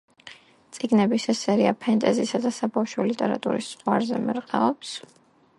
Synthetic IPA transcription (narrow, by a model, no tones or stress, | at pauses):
t̪sʼiɡnɛbisɛsɛɾiapʰɛnt̪ʼɛzisad̪asabafʃɔlit̪ʼɛɾa̰t̪ʼṵɾisːʁwaɾzɛ̰mɛɾqʼɛɔps